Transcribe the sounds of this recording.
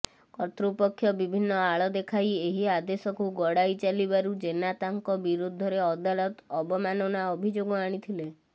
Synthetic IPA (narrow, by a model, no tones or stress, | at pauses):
kɔt̪ɾupɔkʰːjɔbibʱinːɔaɭɔd̪ekʰajeɦiad̪esɔkuɡɔɽajt͡ʃalibaɾud͡ʒenat̪aŋkɔbiɾud̪ʱːɔɾeɔd̪alɔt̪ɔbɔmanɔnaɔbʱid͡ʒoɡɔaɽ̃it̪ʰile